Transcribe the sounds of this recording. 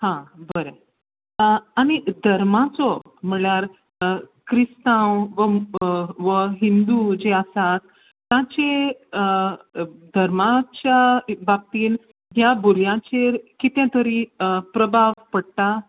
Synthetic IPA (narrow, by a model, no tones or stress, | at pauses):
hãbəɾə | aɽ̃id̪ʱəɾmãt͡sɔ | m̤əɭjaɾ | kɾist̪ãwʋə | ʋəɦind̪ud͡ʑeəsat̪ː | ãt͡ɕe | d̪ʱəɾmat͡ɕjabab̚t̪iːn | ɦjabuɾjãt͡ɕeɾkit̪jãt̪əɾiːpɾəbʱaʋpəɽt̪a